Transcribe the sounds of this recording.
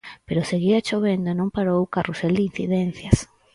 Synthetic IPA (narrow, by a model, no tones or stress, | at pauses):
peɾoseɣiat͡ʃoβ̞end̪oenõŋpaɾowkaruseld̪in̟θiðen̟θjas